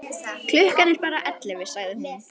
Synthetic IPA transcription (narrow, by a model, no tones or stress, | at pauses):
kʰlʏhkanɛɾpaːɾaʔɛt̪lɪvɪ̥saɣðʏm